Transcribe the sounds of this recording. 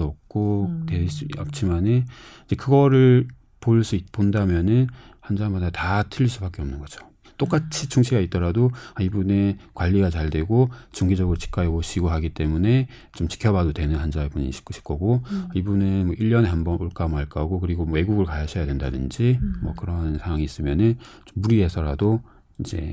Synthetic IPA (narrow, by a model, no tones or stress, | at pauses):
ʌp̚k͈otes͈ʌ̰p̚t͡ɕ͈ʰimaneid͡ʑe̞kɯɡʌɾɯɭ | poɭs͈uit̚pondamjʌnɯnhand͡ʑamadatatʰɯʎːis͈ubak͈e̞ʌmnɯnɡʌd͡ʑo̥ | t͈ok͈at͡ɕʰit͡ɕʰuŋɕʰiɡait͈ʌɾadoaibunekwaʎːiɡat͡ɕaɭdwe̞ɡot͡ɕuŋɡid͡ʑʌɡɯɾot͡ɕi̥k͈aeɡoɕiɡoɦaɡit͈e̞mune̞ | t͡ɕomt͡ɕi̥kʰjʌβadodwenɯnɦand͡ʑaebuɲḭɕʰi̥kʰɕʰi̥kʰʌɡoaibunɯnmwʌʔiʎːʌnehanbʌnoɭk͈amaɭk͈aɡokɯɾiɡomʌe̞ɡuɡɯɭkajaɕʰʌjadwendadɯnd͡ʑimwʌkɯɾʌnsʰaŋwaŋiːs͈ɯmjʌnɯn | t͡ɕomːuɾiɦe̞sʰʌɾado | id͡ʑe̞̰